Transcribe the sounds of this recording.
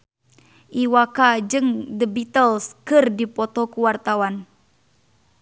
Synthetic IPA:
ʔiwakad͡ʒɨŋdəbit̪əlskɨrdipɔt̪ɔkuwart̪awan

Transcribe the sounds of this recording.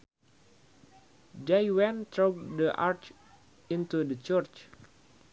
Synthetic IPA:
dajwɛ̃nt̪ɹoɡ̚dəʔaɹt͡ʃ | int̪udət͡ʃərt͡ʃ

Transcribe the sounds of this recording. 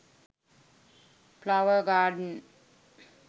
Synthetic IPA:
pʰlawəɹɡaɖn

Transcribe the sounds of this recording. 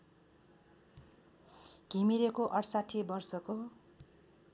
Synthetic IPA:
ɡ̥ʱimiɾekoʔʌrsatʰibʌrsʌko

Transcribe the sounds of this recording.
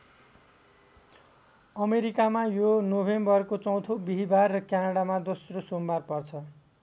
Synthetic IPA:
ʌmeɾikamajonobʱembʌrkot͡sʌ̃w̃t̪ʰobiɦibarːʌkjanaɽamad̪osrosombarpʌrt͡sʰʌ

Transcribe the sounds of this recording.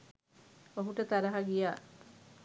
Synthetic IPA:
oɦuʈət̪aɾɐɦaɡijaː

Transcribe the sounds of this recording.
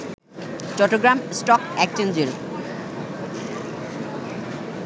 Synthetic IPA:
t͡ɕɔʈːoɡɾamsʈɔkɛk̚t͡ɕend͡ʑeɾ

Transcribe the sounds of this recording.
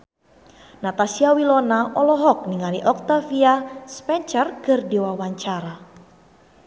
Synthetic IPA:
nat̪asiawilɔnaʔɔlɔɦɔk̚niŋaliʔɔk̚t̪afiaspɛɲt͡ʃərkərdewawaɲt͡ʃaɾa

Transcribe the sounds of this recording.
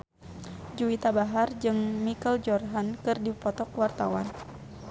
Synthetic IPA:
d͡ʒuit̪abaɦard͡ʒɨŋmikəld͡ʒɔrɦankɨrdipɔt̪ɔkwart̪awa̰n

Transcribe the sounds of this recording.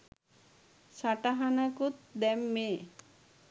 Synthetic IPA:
saʈaɦanakut̪̚d̪ɛmːeː

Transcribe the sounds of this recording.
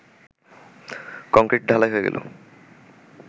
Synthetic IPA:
kɔŋkɾeʈ̚ɖʱalajɦoeɡḛlʔo̰

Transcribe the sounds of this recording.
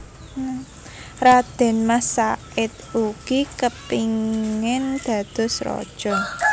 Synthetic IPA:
rad̪̥ɛ̤nmasa | ɪt̪uɡ̥ikəpiŋɪnd̪̥a̤d̪̥ɔ̤sɾɔ̰d̥ʒ̥ɔn

